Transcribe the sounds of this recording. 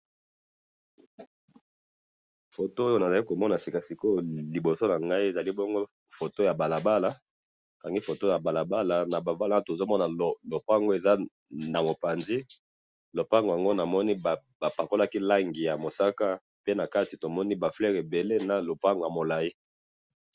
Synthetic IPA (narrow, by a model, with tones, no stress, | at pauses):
fo˨to˦o˦jo˦na˨za˨li˦ko˨mɔ˦na˨si˨ka˨si˨ko˦li˨bo˨so˦na˨ŋɡa˦i˦e˨za˨li˦bɔ˦ŋɡo˦ | fo˨to˦ja˨ba˨la˨ba˦la˦ | ka˨ŋɡi˦fo˨to˦ja˨ba˨la˨ba˦la˨na˨ba˨ba˦la˦to˨zo˦mɔ˦na˨lo˨pa˦ŋɡo˦e˨za˦ | na˨mo˨pa˨nzi˦ | lo˨pa˦ŋɡo˨a˨ŋɡo˦na˨mɔ˦ni˦b | ba˨pa˨ko˦la˦ki˦la˦ŋɡi˨ja˨mo˨sa˦ka˦ | pe˦na˨ka˦ti˨to˨mɔ˦ni˦ba˨flɛ˦ʁe˨be˨le˦na˨lo˨pa˦ŋɡo˨ja˨mo˨la˨ji˦